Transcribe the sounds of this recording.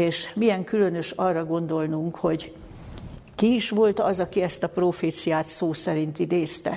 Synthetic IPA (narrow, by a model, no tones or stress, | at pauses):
eːʃmiɛŋkylønø̞ʃɒrːɒɡo̞nd̪o̞lnuŋkho̞ɟ | kiiʃʋo̞lt̪ɒzɒkiɛst̪ɒproːfeːt̪sijaːt̪soːsɛɾint̪id̪eːst̪ɛ̰